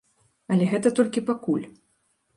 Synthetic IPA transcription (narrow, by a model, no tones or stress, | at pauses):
ɐlʲɛɣɛt̪ɐt̪ɔlʲkʲipakulʲ